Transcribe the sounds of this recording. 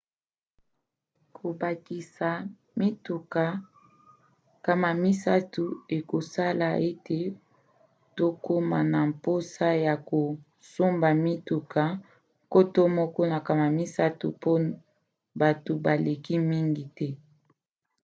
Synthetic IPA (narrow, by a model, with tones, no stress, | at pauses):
kʰo˨ba˨ki˨sa˨ | mi˦tu˨ka˨ | ka˨ma˨mi˦sa˦tu˨e˨ko˨sa˦la˨ʔe˦te˨ | to˦ko˦ma˨na˨mpo˦sa˦ja˨ko˨ | so˦mba˨mi˦tu˨kʰa˨ | ŋko˦to˦mɔ˦kɔ˦na˨ka˨ma˨mi˦sa˦tṵ˨po˦ | ba˨to˨ba˨le˨ki˦mi˦ŋɡi˨tɛ˦